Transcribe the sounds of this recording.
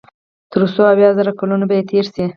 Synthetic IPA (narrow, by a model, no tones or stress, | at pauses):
t̪əɾusoawjɑzaɾakalunobajet̪ʰeɾsi